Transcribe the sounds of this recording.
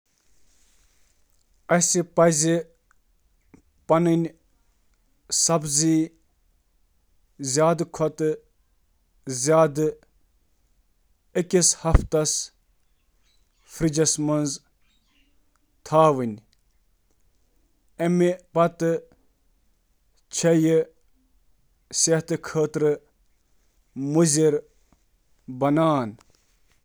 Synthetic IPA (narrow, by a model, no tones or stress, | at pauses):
ɐsipɐzʲi | pɐnɨnʲ | sɐbzi | zʲjaːd̪ɨkʰɔt̪ɨ | zʲjaːd̪ɨ | ekʲishɐft̪ɐs | fɾid͡ʒɐsmɐnz | t̪ʰaːʋɨnʲ | ɐmipɐt̪ɨ | t͡ʃʰɐjɨ | seht̪ɨkʰəːt̪ɾɨ | muzʲiɾ | bɐnaːn